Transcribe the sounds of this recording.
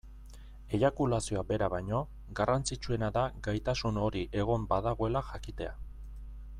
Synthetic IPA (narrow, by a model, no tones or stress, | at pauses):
ejakulasio̞abe̞ɾaβajɲo̞ | ɡarant͡sit͡ʃue̞naðaɡajt̪asuno̞ɾiʔe̞ɣ̞o̞mbaðaɣ̞o̞e̞laxakit̪e̞a